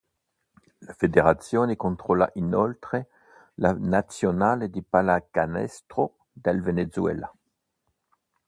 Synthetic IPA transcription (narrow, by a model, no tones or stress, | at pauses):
lafed̪eʁat̪sjoːnekont̪ʁola̰ʔinɔlt̪χe | lanat̪sjonaːled̪ipalakanɛ̰st̪ʁo | d̪ɛlvenezwɛ̰la